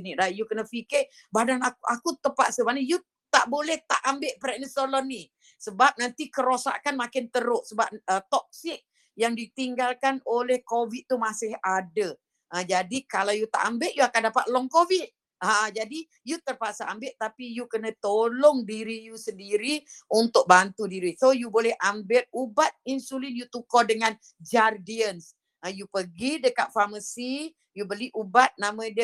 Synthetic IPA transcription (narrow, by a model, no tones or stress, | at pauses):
niɾajukənəfikɪʔ | badanakʔakut̪əpa̰ʔsəmanəju | t̪aʔbolɛht̪aʔambɪʔpɾɛʔnəst̪olɔnːi | səbap̚nant̪ikəɾosa̰ʔkanmakɪnt̪əɾʊʔsəbap̚ət̪ɔk̚sɪk̚ | jaŋdit̪iŋɡalkanolɛhkovit̪ːumasɪhadə | ʔəd͡ʒadikalawjut̪a̰ʔambɪʔjuakandapat̪̚lɔŋkovit̪̚ | ad͡ʒadi | jut̪ərpasaʔambɪʔt̪apijukənə̃t̪olɔŋdiɾijusəndiɾiunt̪ʊk̚bant̪udiɾisojubolɛhʔambɪt̪̚ubat̪̚insulinjut̪ukɔdəŋan | d͡ʒardiəns | əjupəɡidəkaʔ̪̚faməsi | jubəliʔubat̪̚namə̃də